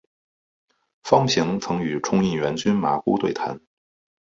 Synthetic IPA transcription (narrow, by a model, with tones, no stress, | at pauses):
fɑ˥ŋɕi˧˥ŋt͡sʰɤ˧˥ŋy˨˩ʈ͡ʂʰʊ˥ŋi˥˩nɥɛ˧˥nt͡ɕy˥nma̰˨˩ku˥t̪we˥˩ɪt̪ʰa̰˧˥n